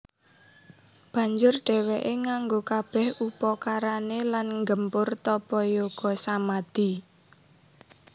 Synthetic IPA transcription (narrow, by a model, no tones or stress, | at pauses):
b̥ä̤ɲd͡ʒʊrɖ̥ɛ̤wɛʔeŋaŋɡokab̥ɛ̤hupɔkaɾanelanŋɡəmpʊrt̪ɔpɔjoɡ̥ɔ̤samad̪̥i̤